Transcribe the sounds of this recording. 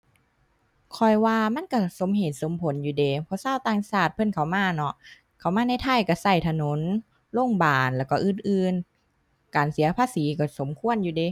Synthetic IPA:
kʰɔ˧˩jwaː˧ma˧˥˨nka˧˩so˨˦mɦeː˨˩t̪̚so˨˦mpʰo˨˦njuː˧deː˨˦pʰɔ˧saː˧˥˨wt̪aː˧ŋsaː˧˩t̪̚pʰɤ˧˥˨nkʰa˧˩wmaː˧˥˨nɔ˧ʔ | kʰa˨˧˩wmaː˧na˧˥˨jt̪ʰa˧˥˩jka˧˩sa˧˩jt̪ʰa˧no˨˦n | lo˧˥˩ŋbaː˨˩nlɛː˧˩wka˧˩ʔɯː˧˥˩nʔɯː˧n | kaː˨˩nsi˨˦ɐpʰaː˧˨siː˨˦kɔ˧˩so˨˦mkʰu˧˨ə˨njuː˧deː˨˧˦

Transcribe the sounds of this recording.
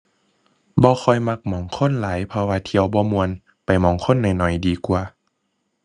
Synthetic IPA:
bɔː˧˦xʰɔ˧˩jma˧k̚mɔː˨˦ŋkʰo˧˥˨nlaː˨˦jpʰɔ˧waː˧t̪ʰi˧˨əwbɔː˧˦mu˧ən | pa˨˩jmɔː˨˦ŋkʰo˧˥˨nːa˨˩jnɔ˨˩jdiː˨˩ku˧

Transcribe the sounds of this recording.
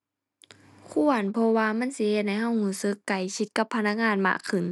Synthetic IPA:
kʰu˧˩ənpʰɔ˧waː˧ma˧˥˨nsi˧˦he˧˩t̪̚ha˧˩jɦa˧˩˨whuː˧˩sɯ˧˦kːa˨˩jkʰi˧˥t̪̚ka˧˦pʰːa˧na˧˥k̚ŋaː˧˥˨nma̰˧˨kʰːɯ˨˩˨n

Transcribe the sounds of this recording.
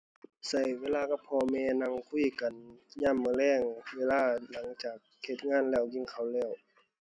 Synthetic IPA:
sa˧˨˩jweː˧˥˨laː˧ka˧˩pʰɔː˧mɛː˧na˧˨ŋkʰu˧˥˩ka˨nɲaː˧˨mːɯː˧˨lɛː˧˥˨ŋweː˧˥˨laː˧˥˩la˨˦ŋt͡ɕaː˨˩k̚he˧˩t̪̚ŋaː˧˥˨nlɛː˧˩wɲi˧˩˨ŋkʰa˧˩wlɛː˧˩˨w

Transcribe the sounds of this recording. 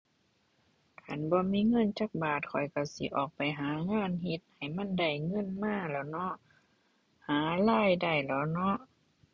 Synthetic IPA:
kʰa˧˩˨nbɔː˧miː˧˥˨ŋɤ˧˥˨nt͡ɕaː˧˩k̚baː˨˩t̪̚kʰɔ˨˩jka˧˩sḭ˧˦ʔɔː˨˩k̚pa˨jɦaː˨˦ŋaː˧˥˨nhe˧˦t̪̚ha˨˩jma˧˥˨nda˧˩jŋɤ˧˥˨nmaː˧˥˨lɛː˧˩wnɔ˧˥ʔ | haː˨˦laː˧˥˨jda˧˩jlɛ˧˦˩wnɔ˧˥ʔ

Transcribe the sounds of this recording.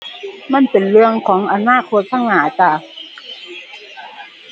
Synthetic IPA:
ma˧˥˨npe˨nlɯ˧əŋkʰɔː˩˦ŋʔa˨˩naː˥˩˨kʰo˧t̪̚sʰa˧˥˨ŋhaː˨˩˦t͡ɕaː˧˩

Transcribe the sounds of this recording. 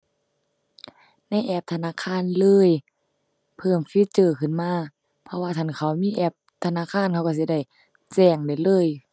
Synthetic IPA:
na˧˥˨jʔɛː˧˩p̚t̪ʰa˧naː˧˥˨kʰaː˧˥˨nlɤː˧˥˨j | pʰɤː˧˩mfi˧˥˨t͡ɕɤː˧˩kʰɯ˧˩˨nmaː˧˥˨ | pʰɔ˧waː˧t̪ʰa˧˥˩nkʰa˧˩wmiː˧˥˨ʔɛː˧˩p̚t̪ʰa˧naː˧˥˨kʰaː˧˥˨nkʰa˧wka˧˩s̬i˧da˧˩j | t͡ɕɛː˧˩ŋda˧˩jlɤː˧˥˨j

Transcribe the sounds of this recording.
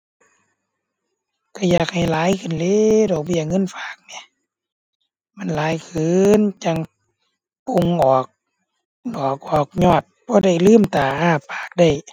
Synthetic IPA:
ka˧˩jaː˨˩k̚ha˨˩jlaː˨˦jkʰɯ˧˨nleː˧˨dɔː˨˩k̚bɔː˧˨jaː˧˩ŋːɤ˧˥˨nfaː˨˩k̚ni˧˦˨ | ma˧˥˨nlaː˨˦jkʰɯː˨nt͡ɕa˧˩ŋ | po˧˩ŋʔɔː˨˩k̚ | dɔː˨˩k̚ʔɔː˨˩k̚ɲɔː˧˩t̪̚bɔː˧˦da˧˩˨jlɯː˥˨mt̪aː˨˩ʔaː˧˩paː˨˩k̚da˧˩j

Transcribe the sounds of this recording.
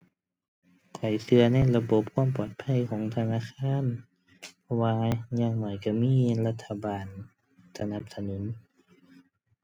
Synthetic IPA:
kʰla˨˩jsɯ˧ɐna˧˥˩jla˧bo˧˦p̚kʰu˧˥˨mpɔː˨˩t̪̚pʰa˧˥˨jkʰɔː˨˦ŋt̪ʰa˧naː˧˥˨xʰaː˧˥˨n | pʰɔ˧waː˧ɲaː˧˨ŋnɔː˨˩jka˧˩miː˧˥˨la˧t̪ʰːa˧baː˨˩n | sa˧na˧˦p̚sa˧nu˨˩˦n

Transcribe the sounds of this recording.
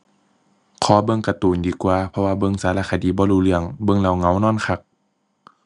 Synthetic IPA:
kʰɔː˨˦bɤ˧ŋka˧t̪uː˨˩ndiː˨˦kwaː˧˩pʰɔ˧waː˧bɤ˧˨ŋsaː˨˦laː˧˩kʰa˨diː˨˦bɔː˧˦luː˧˩lɯ˧˩əŋbɤ˧˨ŋla˧˩wŋa˧˦wnɔː˧˥˨nkʰa˧˩k̚

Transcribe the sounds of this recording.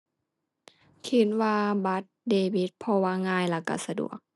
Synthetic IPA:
kʰi˧˦t̪̚waː˧ba˧˦˥t̪̚deː˧bi˧˦t̪̚pʰɔ˧waː˧˨ŋaː˧˨jla˧˩ka̰˧˩sa˧dṵ˨˩ək̚

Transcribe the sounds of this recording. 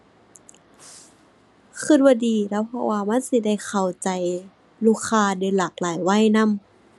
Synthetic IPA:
kʰɯ˧˩t̪̚baː˧diː˨˦lɛ˧˥˨wpʰɔ̰˧˥waː˧ma˧˥˨nsi˧˦da˧˩˨jxʰa˨˩wt͡ɕa˨j | luː˧˩kʰaː˧dɤː˧˦laː˨˩k̚laː˨˦jwa˧˥˨jna˧˥˨m

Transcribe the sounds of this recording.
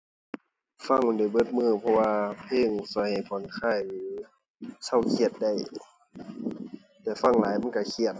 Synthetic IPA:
fa˧˨ŋ˧˩˨da˧˩jbɤ˧˥˩t̪̚mɯː˧˩pʰɔ˧waː˧pʰeː˧˨ŋsɔː˧˦jha˨˩jpʰɔ˨˦nkʰaː˧˥˩jlɯː˨˦ | sa˧˩wkʰi˧ə˨t̪̚da˧˩j | t̪ɛː˧˩fa˧˥˨ŋlaː˨˦jma˧˥˨nka˧˩kʰi˧˩ət̪̚

